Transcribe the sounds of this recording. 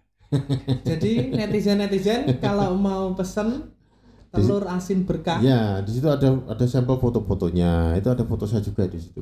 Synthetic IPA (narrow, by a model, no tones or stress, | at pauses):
d͡ʒadinɛt̪izɛnːɛt̪izɛnkalawmaupəsən | t̪əlʊrasɪmb̥ərkajadisit̪uadaadasɛmpəlfot̪ofot̪oɲait̪uadafot̪osad͡ʒuɡadisi̥t̪u